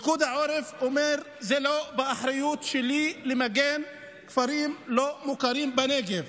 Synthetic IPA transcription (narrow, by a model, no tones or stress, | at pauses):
kud̪aʕoːɾɪfʔʊmeɾ | zeloːbɪʔaħɾɪjuːt̪ʃɪliːlɪmaɡɛːn | kfaɾiːmloːmʊkaɾiːmbaneːɡɪv